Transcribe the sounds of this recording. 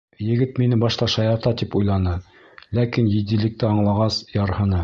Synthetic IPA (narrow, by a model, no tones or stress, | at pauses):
jɘ̆ɡɘt̪minɘbɑʃt̪ɑʃɑjɑɾt̪ɑt̪ipujlˠɑnɤ | lækinjɘ̆d̪ĭlɘ̆k̚t̪ɘɑɴlˠɑʁɑsjɑɾhɤ̆nɤ